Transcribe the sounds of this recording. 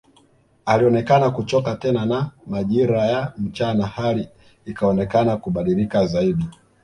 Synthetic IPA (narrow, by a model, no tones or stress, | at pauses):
aliɔnɛkanakut͡ʃɔkatɛnanamaʄiɾajam̩t͡ʃanahali | ikaɔnɛkanakuɓaɗilikazaiɗi